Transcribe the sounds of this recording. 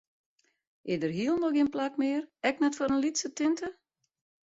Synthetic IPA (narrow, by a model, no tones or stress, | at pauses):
ʔɪdərɦiəlˠnolˠɡɪənplakmɪːərɛknɛtfɔɾənlitsətɪntʰə